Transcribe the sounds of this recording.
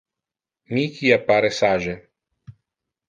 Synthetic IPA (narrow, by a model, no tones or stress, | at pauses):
nikʰijapaɾɛsaːʒɛ